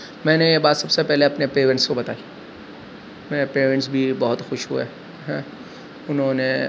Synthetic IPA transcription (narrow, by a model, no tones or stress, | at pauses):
mɛ̃ːnejebaːt̪sɐbsepɛɦleɐpnepeːɾə̃ɳʈskobɐt̪aːi | mɛ̃peːɾə̃ɳʈs̬bʱibɔɦʊt̪xʊʃɦṵḛ | ɦɛ̃ː | ʊnɦõne